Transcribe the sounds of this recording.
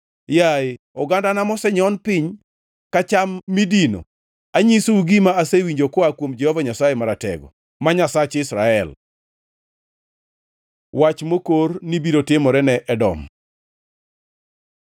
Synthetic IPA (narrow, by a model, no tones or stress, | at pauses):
jaɪ | ɔɡandanamɔsɛɲɔnpɪɲ | kat͡ʃamːidino̰ | aɲisouɡimaasewiɲd͡ʒokɔakwomd͡ʒɛhɔvaɲasajemaɾatɛ̰ɡɔ̰ | maɲasat͡ʃɪsɾa̰ɛl | wat͡ʃmokornibiɾotɪmɔɾɛnɛʔɛdɔ̰m